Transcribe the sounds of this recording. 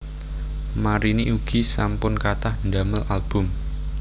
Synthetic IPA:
maɾiniʔuɡ̥isampʊnkat̪ahndaməlalb̥ʊ̤m

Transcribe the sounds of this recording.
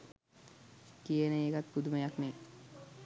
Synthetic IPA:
kieneekat̪̚kud̪umajakne

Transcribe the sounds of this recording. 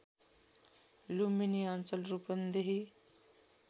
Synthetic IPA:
luminiant͡səlɾupənd̪eɦi

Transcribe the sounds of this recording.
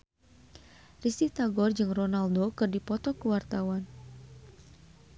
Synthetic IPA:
rist̪it̪aɡɔrd͡ʒɨŋronaldokɨrdipɔt̪ɔkəwart̪awan

